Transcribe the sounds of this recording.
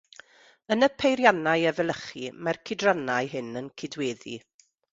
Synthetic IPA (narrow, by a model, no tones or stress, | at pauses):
ənəpʰejɾjanajɛvɛlˠəχimarkʰɪdranajɦɪnənkʰɪdweːðḭ